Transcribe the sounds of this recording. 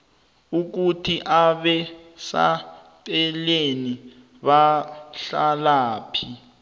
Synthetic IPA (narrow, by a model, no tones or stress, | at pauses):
uk̬utʰiʔaɓɛsa̰ | tʼɛleni | ɓaɬalaːpʰi